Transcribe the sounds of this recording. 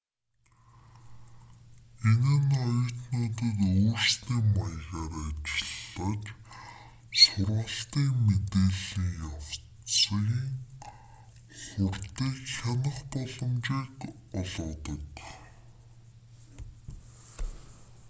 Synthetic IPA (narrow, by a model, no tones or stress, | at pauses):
enaːnɔjə̆t̪nʊːt̪ĭːt̪uːrsniːmajɣaːɾat͡ɕɪ̆ɮːət͡ɕ | sʊrʁə̆ɬt̪iːŋmet̪eːɮiːŋjaw̥ | t͡sə̆ɣiːŋ | χʊrt̪iːkxanə̆χpɔɮɞ̆mt͡ɕiːk | ɔɮɔːt̪ə̆k